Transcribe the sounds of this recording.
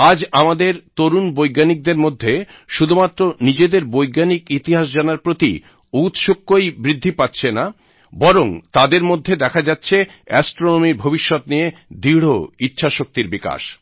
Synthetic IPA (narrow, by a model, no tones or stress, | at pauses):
ad͡ʑamad̪eɾt̪oɾunbojɡanik̚d̪eɾmod̪ʱːe | ʃud̪ʱumat̪ːɾonid͡ʑed̪eɾbojɡanikit̪iɦaʃd͡ʑanaɾpɾot̪ḭ | ut̪ʃokːojbɾid̪ʱːipatːɕʰena | bɔɾoŋt̪ad̪eɾmod̪ʱːed̪ɛkʰad͡ʑatːɕʰe | ɛsʈɾonomiɾbʱobiʃːɔt̪nijed̪iɽ̤oitːɕʰaʃok̚t̪iɾbika̰ʃ